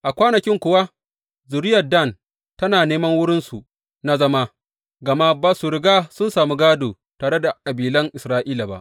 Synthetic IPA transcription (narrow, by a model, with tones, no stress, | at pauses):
ʔa˨kʷaː˦nɐ˨kʲɪ˦ŋkʷʊ˨wa˦ | zʊ˨ɾɪ˦jɐ˨da˦˨n | tɐ˦naː˨neː˦mɐ˦ŋwʊ˦ɽɪ˦nsu˨ | na˦zɐ˦ma˦ | ɡɐ˨ma˦baː˨su˨ɾɪ˨ɡaː˦sʊ˦nsaː˨mi˦ɡaː˦doː˨ | taː˨ɽe˦da˨kʼɐ˨biː˨lɐ˦ŋʔɪ˨sɾaː˦ʔiː˦la˨ba̰˦ʔ